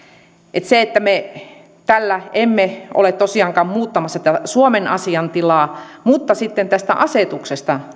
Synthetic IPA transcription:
ʔet̪seet̪ːæme | t̪ælːæemːeo̰let̪t̪osiɑːŋkɑːmmuːt̪ːɑmɑsːɑt̪æsuomenɑ̰siɑnt̪ilɑː | mut̪ːɑsit̪ːent̪æst̪æ̰ʔɑset̪uksest̪ɑ

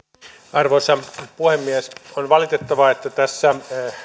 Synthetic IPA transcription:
ɑrʋosɑpuhemːiesonʋɑlit̪et̪ːɑʋɑet̪ːæt̪æsːæ

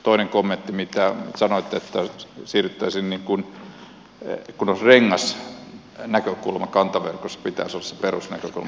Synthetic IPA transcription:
t̪oineŋkomːent̪ːimit̪æsɑnoit̪ːeet̪ːæsiːryt̪ːæisinniŋkun | kunosreŋːɑs | nækøkulmɑkɑnt̪ɑʋḛrkosːɑ̥pit̪æ̰ˑsolːɑsse̥perusnæ̰køkṵlmɑ

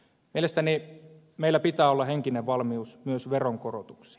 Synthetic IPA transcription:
mielest̪æni | meilːæpit̪æːolːɑheŋkineʋʋɑlmiusmyøsʋeroŋkorot̪u̥ksi̥

